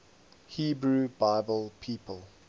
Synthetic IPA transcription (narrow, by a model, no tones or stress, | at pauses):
hiːbɹuːbaɪbəlˠpʰiːpəlˠ